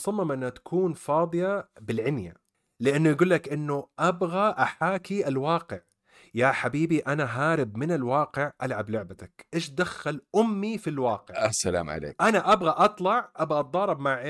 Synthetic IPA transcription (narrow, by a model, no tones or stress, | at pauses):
sˤɑmːɑmʔɪnːhat̪ḁkʰuːnfɑːd̪ˤɨjabɪlʕɪnja | lɪʔanːʊjɡuːlːakʔɪnːʊʔabɣaʔaħaːkiʔalwɑːqɪʕ | jaħabiːbiʔanaɦaːɾɪbmɪnalwɑːqɪʕʔalʕablʊʕbat̪akʔeːʃd̪axːalʔʊmːifilwɑːqɪʔasala̰ːmʕa̰lḛːkʔanaʔabɣaʔɑt̪ˤlɑʕʔabɣaʔɑd̪ˤɑːɾˤɑbmaʕʔe